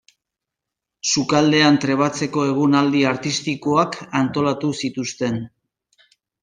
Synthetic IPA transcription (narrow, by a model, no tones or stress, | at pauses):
sukald̪e̞ant̪ɾe̞βat͡se̞ko̞e̞ɣ̞unald̪iaɾt̪ist̪ikoakant̪o̞lat̪usit̪ust̪e̞n